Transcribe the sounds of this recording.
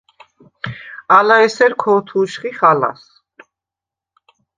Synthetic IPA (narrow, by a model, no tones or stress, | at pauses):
alaɛsɛɾkʰɔːt̪ʰuʃχiχala̰s